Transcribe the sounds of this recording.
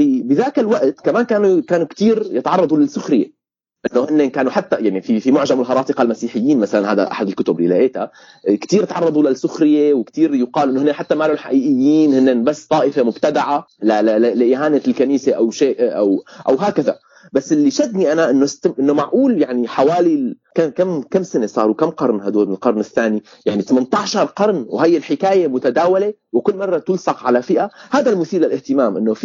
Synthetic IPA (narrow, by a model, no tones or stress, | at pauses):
fibɪðaːkɪlwaʔt̪kamaːnkaːnukaːnukt̪iːɾjɪt̪ʕɑrˤːɑd̪ˤulasːʊxɾɪjḛ | ʔɪnːohɪnːekaːnuħat̪ːajaʕnififimʊʕʒamɪlɦɑɾˤɑːt̪ɪqɑlmasiːħɪjːiːnmasalanhaːd̪a̰ʔa̰ħad̪ɪlkʊt̪ʊblḭlaʔeːt̪a | kt̪iːɾɪt̪ʕɑrˤːɑd̪ˤulasːʊxɾɪjewɪkt̪iːɾjʊqɑːlʔɪnːohɪnːeħat̪ːamaloːnħaʔiːʔɪjːiːnhɪnːebasːt̪ˤɑːʔɪfemʊbt̪ad̪aʕalalallʔiːɦaːnelkaniːseʔawʃeːʔʔawʔawɦaːkaða̰ | basːɪlːiʃad̪niʔanaʔɪnːost̪ʔɪnːomaʕʔuːljaʕniħawaːli | kakamkamːsanesˤɑ̰ːɾˤwkamːqɑɾˤnhad̪uːɪlqɑɾˤnɪθːaːni | jaʕnit̪amant̪ˤɑʕʃɑɾˤqɑɾˤnwhajːɪlħɪkaːjemʊt̪ad̪aːwale | wɪkʊlːmɑrˤːɑt̪ʊlsɑqʕalafɪʔahaːd̪almʊθiːlɪlʔɪht̪ɪmaːmʔɪnːof